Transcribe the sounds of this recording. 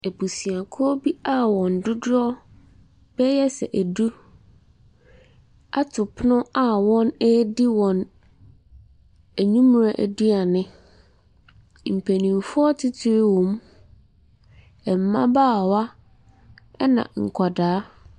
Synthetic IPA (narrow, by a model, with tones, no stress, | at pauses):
e˨bu˨si˨a˨kʰɔ˦bi˦a˦wɔ̃˨n˨dʊ˦dɔ˦ | b̥ɛ˦jɛ˦sɛ̰˨ʔæ˨du˦ | a˦tʰʊ˨pʰʊ˦nʊ̃˦a˦wɔ̃˦nɛ˦di˦wɔ̃˨n | æ˨ɲũ˦m˦ɾa˨ʔæ̰˨du˦a˨nɪ̃˦ | m̩˨pʰe˨nĩ˨mfʊ˦ɔ˦tʰɪ˦tʰɪ˦ɾɪ˦wɔ̃˨m | ɛ˨m̩˨mã̰˦baː˦˨wa˦ | ɛ˦nã̰˨ŋ̩˨kʰa˨daː˨˦